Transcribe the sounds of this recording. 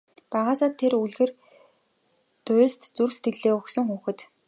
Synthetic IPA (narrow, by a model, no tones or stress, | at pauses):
paʁaːsaːt̪ʰːeruɮɣɘ̆r | t̪ʊːst̪t͡surst̪ɡɘ̆ɮeːʊxsɵ̆ŋxuːxɘ̆t̪